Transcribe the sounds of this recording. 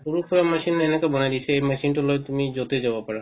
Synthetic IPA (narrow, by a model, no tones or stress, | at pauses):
puɾukʰuɾamaʃinenekabɔnajd̪it͡ɕʰeejmɛʃinʈulojt̪umid͡ʑot̪ed͡ʑabapaɾa